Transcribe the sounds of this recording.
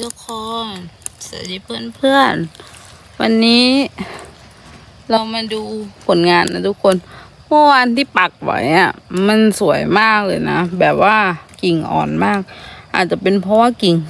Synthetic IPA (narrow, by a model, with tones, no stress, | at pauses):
lɯ˧kʰɔː˧˩nsɯ˨˩˦jtiː˧˦pʰɤː˧˥˩npʰɯ˥˩ən | wa˧nːiː˦˥ | la˧wmaː˧duː˧pʰo˨˦nŋaː˧nːa˧t̪ʰu˦˥kʰːo˧n | pʰɔː˧˥waː˧nt̪ʰiː˧˥˨pa˨˩k̚wa̰˨˦ja˧˩ma˧˥˨nsu˩˦əjmaː˥˩k̚lɤː˧˩jna̰˦˥bɛː˨˩p̚waː˧˩i˨˩ŋʔɔ̰ː˨˩nmaː˥˩k̚ʔa̰ː˨˩t̪̚t͡ɕa˧˩pe˧npʰɔ˧waː˧˥˩ki˨˩ŋ